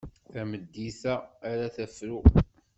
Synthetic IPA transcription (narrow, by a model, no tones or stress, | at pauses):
θæməd̪ːiθæːɾæθæfɾu